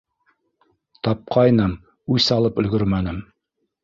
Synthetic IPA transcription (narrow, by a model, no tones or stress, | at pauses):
t̪ɑp̚qʰɑjnɤm | ʉsɑlˠɤpɵ̆lɡɵɾmænɘm